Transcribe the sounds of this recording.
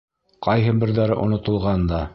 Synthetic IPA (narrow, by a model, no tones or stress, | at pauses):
qɑjɦɤbɘ̆ɾðæɾɘʔŏ̰nŏt̪ɤ̆lˠʁɑnd̪ɑ